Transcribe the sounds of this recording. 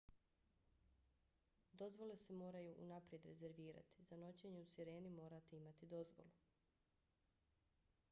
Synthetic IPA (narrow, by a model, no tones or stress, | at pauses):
d̪o̞zʋo̞le̞semo̞ːɾajuʔunapɾje̞d̪ɾe̞ze̞ɾʋiːɾa̰t̪i̥zano̞t͡ɕe̞ɲe̞usiɾe̞ːnimo̞ːɾat̪eimat̪id̪o̞zʋo̞̰lu